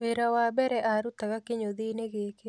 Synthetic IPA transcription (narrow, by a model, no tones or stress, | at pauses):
weɾawabɛɾɛʔaɾutaɣakeɲoðineɣeːke